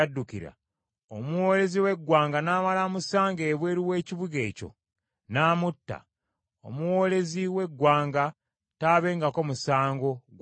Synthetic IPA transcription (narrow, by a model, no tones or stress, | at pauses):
adːukḭɾa̰ | omuwo̞ːle̞ziwe̞ɡːwaːŋɡanaːmalamusaːŋɡe̞βwe̞ːɾiwe̞ːciβuɡe̞̰ːco̞̰ | naːmutːa̰ | o̞̰muwo̞ːle̞ziwe̞ɡwaːŋɡa | taːβe̞ːŋɡako̞musaːŋɡo̞ɡ